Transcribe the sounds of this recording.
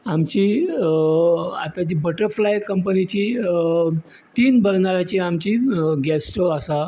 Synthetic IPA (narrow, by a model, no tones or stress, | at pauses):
amt͡ɕiː | at̪ad͡ʑiːbəʈəɾflajkəmpənit͡ɕiː | t̪iːnbəlnaɾat͡ɕiamt͡ɕiːɡɛsʈoasa